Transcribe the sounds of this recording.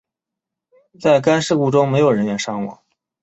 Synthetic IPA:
t͡sa˥˩ɪka˥nʂɻ̩˥˧ku˥˩ʈ͡ʂʊ˥ŋme˧˥ɪjo˨˩ʊɻə˧˥nɥɛ˧˥nʂɑ˥ŋwɑ̰˨˧˥ŋ

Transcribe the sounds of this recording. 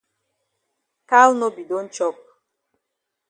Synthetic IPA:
ka˦lno˦bi˨do˦n̩˦t͡ʃɔ˦k̚

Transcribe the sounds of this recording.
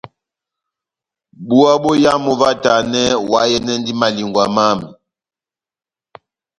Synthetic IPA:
bu˦a˦bɔ˦ja˦mɔ˨va˦ta˨nɛ˦wa˦jɛ˦nɛ˦ndi˦ma˨li˨ŋɡwa˨ma˦mi˨

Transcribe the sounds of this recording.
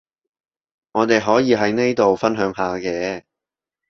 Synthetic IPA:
ŋɔː˨˧t̪e˨jɦɔː˨˥jiː˨˧ɦɐ˨˥jne˥jt̪o˨wfɐ˥nɦœː˨˥ŋɦaː˨˧kɛː˧

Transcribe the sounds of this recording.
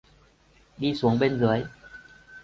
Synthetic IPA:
diː˧˩su˨˩˦əŋpe˧nzɯ˨˩˦əj

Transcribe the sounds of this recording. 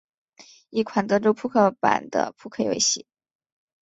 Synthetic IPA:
i˥˩kʰwa˨˧˩nt̪ɤ˧˥ʈ͡ʂo˥ʊpʰu˥˧kʰɤ˥˩pa̰˨˩nd̪ə̰˧pʰu˥kʰɤ˥˩jwḛ˧˥ɪɕḭ˧˥˦

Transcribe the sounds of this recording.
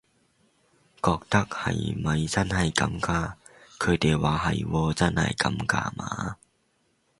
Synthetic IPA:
kɔː˧k̚t̪ɐ˥k̚hɐ̰˨˩jmɐ˨˩jt͡sɐ˥nhɐ˨jkɐ̰˧mkaː˧ | kʰɵ˨˧ɥt̪e˨˩jwaː˨˧ɦɐ˨˩jwɔː˧t͡sɐ˥nhɐ̰˨˩jkɐ˧mka̰ː˧˥ma̰ː˨˧˦

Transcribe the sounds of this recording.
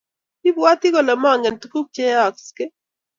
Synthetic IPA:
i˦bwa˦t̪i˦ko˨la˨ma˦˨ŋɛ˨ntu˨˦ku˦k̚t͡ʃe˦a˨kske˦

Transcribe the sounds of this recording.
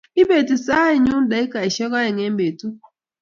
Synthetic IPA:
i˦be˨ti˨sa˦i˨ɲu˦n˦da˨˦i˦ka˨i˨ʃɛ˦ka˦ɛ˨ŋe˦m˦be˨tu˦˨

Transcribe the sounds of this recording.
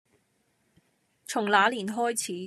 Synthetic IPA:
t͡sʰʊ˨˩ŋlaː˨˧˥liː˨˩nɦɔː˥jt͡sʰiː˨˥

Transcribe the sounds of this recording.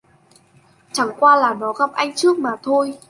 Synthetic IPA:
t͡ɕa˧˩ŋkwaː˧laː˨˩nɔ˨˦ɣa˨˩p̚ʔa˧jŋ̟t͡ɕɨ˦˥ək̚maː˨˩t̪ʰo˧j

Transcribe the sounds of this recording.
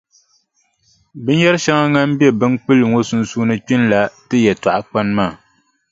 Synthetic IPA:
bɨ˦n˦jɛ˦ɾɨ˦ʃa˦ŋa˦ŋa˦m˦bi˦ɛ˦bɨ˦n˦k͡pɨ˦lŋo˦su˦n˦suː˦nɨ˦k͡pi˦nla˨tɨ˦jɛ˨ta˨ʔa˨k͡pa˦n˦maː˦˨

